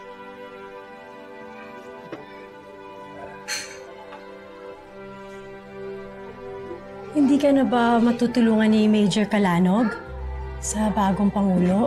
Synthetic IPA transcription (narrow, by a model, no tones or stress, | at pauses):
hɪnd̪iːkɐnɐbɐmɐt̪uːt̪ʊluːŋɐnːimejd͡ʒɛɹkɐlaːnoɡ | sɐbaːɡo̞ŋpɐŋuːlo̞